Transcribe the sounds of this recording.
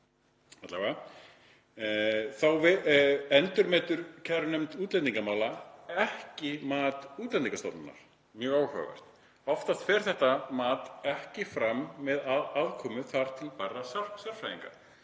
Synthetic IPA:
at̪laka | θawvɪɛnt̪ʏɾmɛːt̪ʏɾ̥cʰɛɾnʏmt̪uːt̪lɛniŋkamaːwlaɛhcɪmaːt̪uːt̪lɛniŋkast̪ɔ̰wt̪nʏ̰nːa̰ɾ̥ | mjœːaːwhœ̰vɛ̰r̥t̪ | ɔft̪ast̪fɛːɾ̥θɛht̪amaːt̪ɛhcɪfɾamːɛðaaðkʰɔːmʏθaɾ̥t̪ʰɪlparːasar̥ksɛɾ̥fajiŋka̰

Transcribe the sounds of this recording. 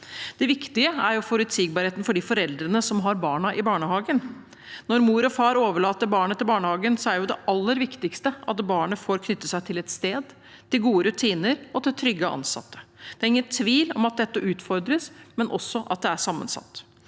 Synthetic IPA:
d̪̥ɛʋɪkt̪ɪəæɾjʊfɔɾʉt̪siːɡ̚bɑːɾheːt̪ənfɔɖifɔɾɛld̪ɾənəsɔmɦɑɾbɑːɳɑʔɪbɑːɳəhɑːɡən | nɔɾmuːɾɔfɑːɾoːʋəɭɑːt̪əɾbɑːɳət̪ʰɪlbɑːɳəhɑːɡənsɔæɾjʊd̪ɛʔɑlːəɾʋɪkt̪ɪkst̪əʔɑt̪bɑːɳəfoːɾkʰnʏt̪ːəsæɪt̪ʰɪlɛt̪st̪eːd̪ | t̪ʰɪlɡuːəɾʉt̪ʰiːnəɾɔt̪ʰɪt̪ʰɾʏɡːəʔɑ̰nsɑ̰t̪ːə̥d̪̥ɛæːɾɪŋːənt̪ʰʋiːlɔ̰mɑt̪̚d̪ɛt̪ːəʔʉːt̪fɔɾd̪ɾəsmɛnʔɔsːɔʔɑ̰t̪̚d̪ɛæʂɑmːə̰nsɑ̰t̪ː

